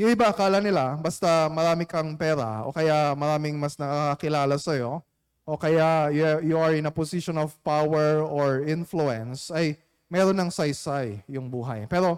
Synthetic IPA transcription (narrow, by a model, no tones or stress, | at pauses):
jʊŋɪbaʔɐkaːlɐnɪlabɐst̪ɐmɐɾaːmɪkɐŋpɛːɾɐ̰o̰kɐjamɐɾaːmɪŋmɐsnɐkaakɐkɪlaːlɐsɐjo̞ | ʔo̞kɐjajjuʔɐɹɪnɐposiʃonovpawɛɹoɹɪnfluɛnsɐj | mɛːɾonːɐŋsɐjsajːʊŋbuːɦɐ̰jpɛːɾo̞